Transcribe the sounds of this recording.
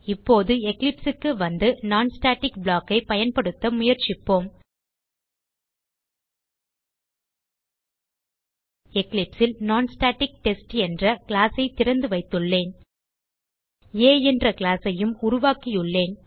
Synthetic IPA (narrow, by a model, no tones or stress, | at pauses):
ɪpːoːðɯɛklɪpsɯkːɯʋɐnd̪ɯnaːnsʈaːʈɪkbɭaːkːɐɪpɐjɐnpɐɽɯt̪ːɐmʊjɐɾt͡ʃɪpːoːm | ɛklɪpsɪlnaːnsʈaːʈɪk̚ʈɛsʈɛndrɐkɪlaːsɐɪt̪ɪɾɐnd̪ɯʋɐɪt̪ːɯɭːeːn | eːɛndrɐkɪɭaːsɐjɯmʊɾʊʋaːkijʊɭːeːn